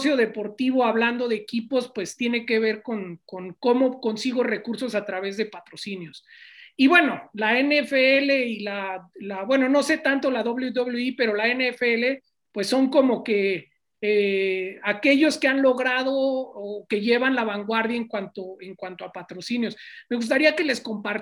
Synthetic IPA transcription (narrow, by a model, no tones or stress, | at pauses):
sjo̞ðe̞po̞ɾt̪iβo̞aβland̪o̞ðe̞ːkipo̞spwe̞st̪je̞ne̞ke̞β̞e̞ɾko̞nkoŋkomo̞ko̞nsiɣo̞re̞kuɾso̞sat̪ɾaβe̞zðe̞pat̪ɾo̞sinjo̞siβwe̞no̞laeneefeele̞ilalabwe̞no̞no̞se̞t̪ant̪o̞laðoβleudðoβluipe̞ɾo̞laeneefeele̞ | pwe̞sːo̞ŋko̞mo̞ke̞ | eake̞ʝo̞ske̞anlo̞ɣɾað̞o̞ːke̞ʝe̞βanlaβaŋɡwaɾðjaeŋkwant̪o̞e̞ŋkwant̪o̞apat̪ɾo̞sinjo̞smeɣus̬t̪aɾiake̞le̞sko̞mpaɾ